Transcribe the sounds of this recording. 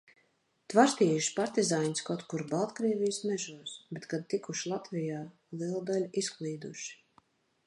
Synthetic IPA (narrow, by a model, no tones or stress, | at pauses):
t̪vaɾst̪iːjuʃpaɾt̪izaːɲskat̪kuɾbalˠt̪kɾiɛvʲijsmɛʒuɔsbɛt̪kad̪̚t̪ikuʃlˠat̪vijaː | lˠiɛlˠd̪alʲisklˠiːd̪uʃi̥